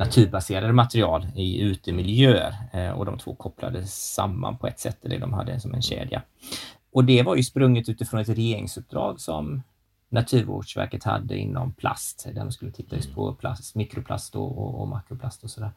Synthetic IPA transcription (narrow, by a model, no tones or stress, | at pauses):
nat̪ʰʉ̟ːɾbaseːɾad̪əmat̪ɾɪɑːlɪʉ̟ːt̪əmɪljøːəɾɔ̰d̪ɔmt̪ʰvo̰ːkʰɔplad̪əsamːa̰npʰɔɛt̪sɛt̪ʰːɛlːə̰d̪ɔmhad̪ːəsɔmɛnɕḛːd̪ja̰ | ʔɔd̪ɛvaɾjɵspɾɵŋːət̪ʉ̟ːt̪ɪfɾɔnɛt̪ɾɛjeːɾɪ̰ŋsɵp̚d̪ɾɑːɡsɔm | nat̪ʰʉ̟ːɾo̰ːɖʂvæ̰ɾkət̪ha̰d̪ːə̰ɪ̰nːɔmpʰlast̪d̪æɖɔmskɵlːət̪ʰɪt̪ːaɵspʰɔpʰlasmikɾʊpʰla̰st̪ɔ̰ɔɔmakɾʊplast̪ɔsɔd̪æːɾ